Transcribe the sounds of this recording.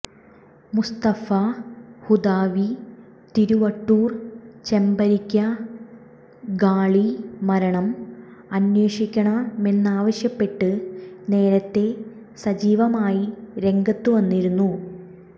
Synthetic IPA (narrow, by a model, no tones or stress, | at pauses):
must̪ɐfɐhud̪aːʋi | t̪iɾuʋɐʈːuːrt͡ɕe̞mbɐɾikʲːɐ | ɡaːɭimɐɾɐɳɐmɐnweːʂikʲːɐɳɐe̞nːaːʋɐɕjɐpːe̞ʈːɨne̞ːɾɐt̪ːe̞ | sɐd͡ʑiːʋɐmaːjiɾe̞ŋɡɐt̪ːuʋɐnːiɾunːu